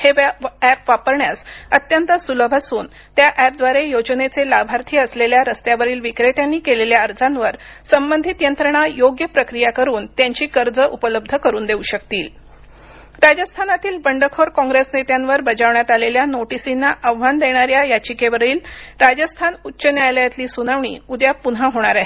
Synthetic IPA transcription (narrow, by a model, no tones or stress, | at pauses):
heæpʋapəɾɳjasət̪jənt̪əsuləbʱasuːn | t̪jaʔæp̚d̪ʋaɾejod͡ʑnet͡selabʱaɾt̪ʰiːəsleljaɾəst̪jaʋəɾiːlʋikɾeʈjanːiːkeleljaəɾd͡zʱanʋəɾsəmbənd̪ʱit̪jənt̪ɾəɳ̃ajoɡjəpɾəkɾijakəɾuːnt̪jaɲt͡ɕiːkəɾd͡zəʔupələb̚d̪ʱəkəɾuːnd̪euɕək̚t̪iːl | ɾad͡ʑəst̪ʰanat̪iːlbəɳɖəkʰoɾkɔ̃ŋɡɾesnet̪janʋəɾbəd͡ʑaʋɳjat̪aleljanoʈisinːaʔəʋʋand̪eɽ̃aɾjajat͡ɕikeʋəɾiːlɾad͡ʑəst̪ʰanutːɕənjajljat̪liːsunaʋɳḭːud̪japunaɦoɽ̃aɾaɦe